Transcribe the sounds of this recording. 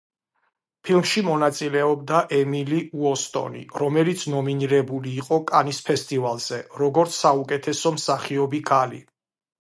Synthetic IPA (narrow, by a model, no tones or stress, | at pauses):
pʰilˠmʃimɔnat̪sʼilɛɔbd̪aʔɛmiliuɔst̪ʼɔ̰nḭɾɔmɛlit̪sʰnɔminiɾɛbuliːqʼɔkʼanispʰɛst̪ʼivalˠz̥ɛɾɔɡɔɾt̪sʰaukʼɛt̪ʰɛsɔmsaχiɔbikʰalḭ